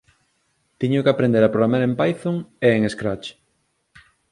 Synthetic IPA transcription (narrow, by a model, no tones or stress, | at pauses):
t̪iɲʊkeapɾẽnd̪eɾapɾoɣamaɾempajθoŋeːŋeskɾat͡ʃ